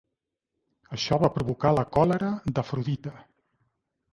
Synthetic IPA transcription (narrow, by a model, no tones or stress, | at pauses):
əʃɔβapɾuβukaləkɔləɾəd̪əfɾuðit̪ə